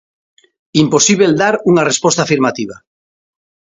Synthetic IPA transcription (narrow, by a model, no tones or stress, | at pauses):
imposiβ̞eld̪aɾuŋarespost̪afiɾmat̪iβ̞a̰